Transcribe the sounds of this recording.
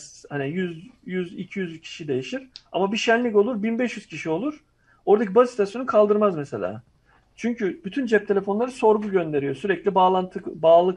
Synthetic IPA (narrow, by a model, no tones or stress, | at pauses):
hanijyzjyzicʰijyzcʰi̥ʃid̪e̞jiʃiɾ̥a̰mabiʃænlʲico̞lˠuɾbinbɛʃjyz̥cʰiʃio̞lˠuɾ̥ | o̞ɾd̪acʰibazst̪ʰasjonukʰalˠd̪ɯɾmazmɛse̞lʲa̰ː | t͡ʃʰyɲcʰyb̥yt̪ʰynd͡ʒɛp̚t̪ʰe̞lʲe̞fo̞nlˠaɾɯso̞ɾɡuɟø̞nd̪e̞ɾijo̞syɾɛclʲibaːlˠant̪ʰɯbaːlˠɯk